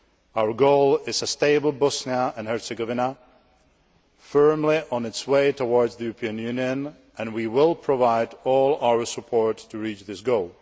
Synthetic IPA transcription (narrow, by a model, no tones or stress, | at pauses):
aʊə˞ɡoʊlˠɪzəsteɪbl̩ˠbɔsniəɨ̃nhɛɹsəɡɔvɪnə | fɜ˞mlɪʔɔ̃nɪtsweɪtʰowɔɹdzðɨjuɹəpʰiə̃njʉniɨ̃n | ʔɛ̃nwiwɪlˠpʰɹɔvaɪdɔlˠawə˞səpʰɔɹtʰːuɹit͡ʃðɪsɡoʊlˠ